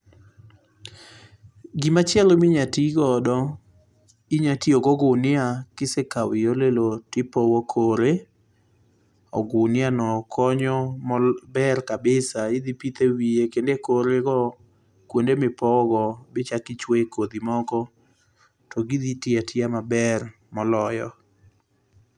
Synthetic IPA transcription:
ɡimat͡ʃjɛlomiɲatiɡɔdɔ | iɲatioɡɔɡʊnɪakɪsekawɪjolelotɪpɔwɔkʰoɾe | ɔ̰ɡʊnɪanɔkʰɔɲɔmɔbɛrkabɪsaɪd̪ipit̪ewiekendekoɾeɡɔ | kwondemɪpɔɡɔbɪt͡ʃakɪt͡ʃwekod̪imɔkɔ | tɔɡid̪itɪatʰɪamabɛr | mɔlɔjɔ̰

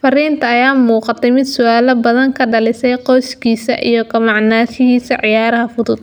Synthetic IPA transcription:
fɐriːnt̪ʰɐːjaːmuːqɑt̪ʰɛjmɪd̪sʊaːlɐbɐðɐŋkʰɐɖɐlɪsɛjqɔjskʰiːsɐʔijɔɡɐmɑʕnaːʃɪɣiːsɐʕɪjaːɾɐɦɐfʊðʊd̪̚

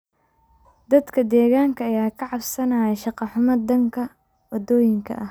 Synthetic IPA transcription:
d̪ɐd̪kʰɐd̪ɛːɣaːŋkʰɐːjaːkʰɐʕɑbsɐnɐːjɛʃɑqɑħʊmɐd̪ɐŋkʰɐ | wɐd̪ɔːjɪŋkʰɐ̰ʔɐh

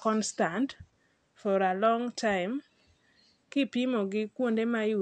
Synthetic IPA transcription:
kɔnstant | fɔɾalɔŋtʰaɪm | kɪpimoɡɪkwondemaɪ

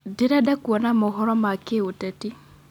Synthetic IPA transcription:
diɾadakwɔnamoɦɔɾɔmakeotɛti

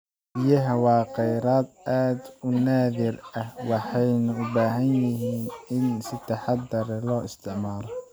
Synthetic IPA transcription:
bɪjɐɦɐwɑːqɛjɾaːd̪ʔaːd̪ʊnaːðɪrɐhwɑħɑjnʊʊbaːɦɐnjɪɦiːnɪnsɪt̪ʰɐħɑd̪ɐɾɛlɔːɪst̪ʰɪʕmaːlɔ

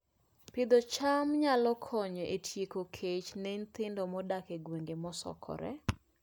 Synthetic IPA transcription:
pɪd̪ɔt͡ʃamɲalɔkʰɔɲɔʔetʰjekokʰet͡ʃnent̪ɪndɔmɔdakeɡweŋɡemɔsɔ̰kʰɔ̰ɾɛ̰

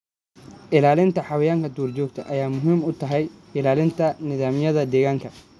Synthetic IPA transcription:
ʔɪlaːlɪnt̪ʰɐħɑwɐjaːŋkʰɐd̪uːrt͡ʃɔːɡ̚t̪ʰɐʔɐjaːmʊɦiːmʊt̪ʰɐɦɛjɪlaːlɪnt̪ʰɐnɪðaːmɪjɐðɐd̪ɛːɣaːŋkʰɐ

